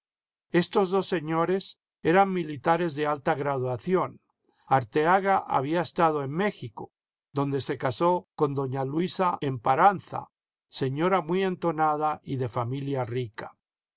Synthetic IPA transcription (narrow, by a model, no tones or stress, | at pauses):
e̞st̪o̞zðo̞sːe̞ɲo̞ɾe̞s | e̞ɾaŋmilit̪aɾe̞zðe̞alt̪aɣɾaðwaθjo̞n | aɾt̪eaɣaʔa̰βiaest̪að̞o̞eŋme̞xiko̞ | ðo̞nd̪e̞se̞kasoko̞nd̪o̞ɲalwisaempaɾanθa̰ | se̞ɲo̞ɾamwujent̪o̞nað̞aiðe̞familjarikḁ